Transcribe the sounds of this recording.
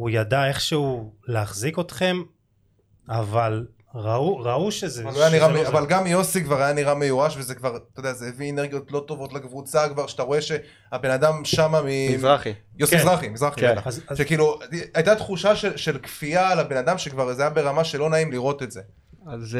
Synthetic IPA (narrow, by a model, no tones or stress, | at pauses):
ujad̪ae̞χʃeuleaχzikot̪χe̞m | aval | ʁauʁauʃezealaajaniʁaavalɡamjo̞sikvaʁajaniʁame̞juʁaʃvezekvaʁt̪ojdeazeeviene̞ʁɡijo̞tlo̞to̞vo̞tlakvut͡sakvaʁʃeat̪aʁo̞e̞ʃe̞ | abe̞nad̪amʃamamizaχijosiizʁaχimizʁaχiaʃekiːluajt̪at̪χuʃaʃe̞lʃe̞lkfialabe̞nadamʃekvaʁzajabe̞ʁamaʃe̞lo̞naimliʁo̞t̪e̞tze̞ | a